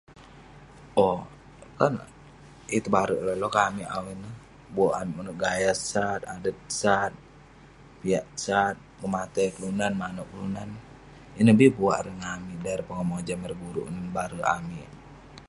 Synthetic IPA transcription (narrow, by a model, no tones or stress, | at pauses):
ɔ | kan | it̪əbaɾəʔləlɔkamiʔa̰wɛnə | buaʔanmənəɡajasat̪adət̪̚sat̪̚ | piaʔsat̪̚kəmat̪akəlunanmanəkəlunan | inəhbibuaʔɾəŋamidaɛrpəŋamod͡ʒaməɾbuɾṵʔnənbaɾəʔa̰mi